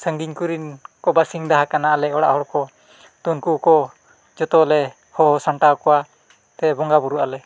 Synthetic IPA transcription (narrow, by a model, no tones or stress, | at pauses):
səŋɡiɲkuɾinkɔbasiŋd̪aɦakanaʔalɛɔɽa̰ʔɦɔɾkɔ | t̪unkuʔkɔ | d͡ʒɔt̪ɔlɛ | hɔɦɔsaɳʈakɔwa | t̪ɛbɔŋɡabuɾuʔalɛ